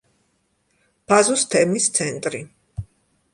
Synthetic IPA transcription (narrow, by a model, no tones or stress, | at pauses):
b̥azust̪ʰɛmist̪sʰɛnt̪ʼɾi